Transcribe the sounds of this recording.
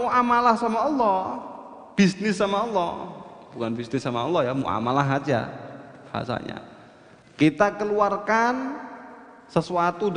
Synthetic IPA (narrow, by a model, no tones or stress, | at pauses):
uamalahsamaɔlːɔ | b̥isnɪsːamaɔlːɔb̥ukanbisnɪsːamaɔlːɔhjamṵʔa̰malaɦad͡ʒa̰b̥aɦa̰sa̰ɲa̰ | kit̪akəluarkan | səsuat̪ud